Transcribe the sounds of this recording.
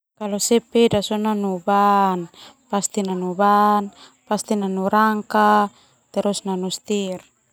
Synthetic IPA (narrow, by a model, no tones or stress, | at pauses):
kalɔsɛpedasɔnanubanpast̪inanubanpast̪inanuɾaŋka | t̪ɛɾɔsnanust̪ir